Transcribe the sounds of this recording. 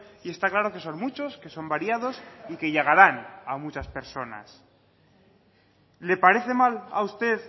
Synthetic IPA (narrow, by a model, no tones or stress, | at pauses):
ie̞st̪aklaɾo̞ke̞so̞nmut͡ʃo̞ske̞so̞mbaɾjað̞o̞sike̞ʝeɣ̞aɾanamut͡ʃaspe̞ɾso̞na̰s | le̞paɾe̞θe̞mala̰ust̪e̞ð